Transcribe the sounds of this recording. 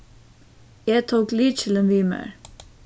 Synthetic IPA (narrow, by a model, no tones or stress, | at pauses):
jæɪt̪ʰoːkliːt͡ʃʰɪlɛnʋiːmæ̰ɹ